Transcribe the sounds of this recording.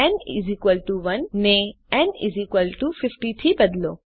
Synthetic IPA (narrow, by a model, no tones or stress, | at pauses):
ɛnḭzikʋəlʈuʋɐnːẽ | ɛnḭzikʋəlʈufɪfʈit̪ʰibɐd̪loː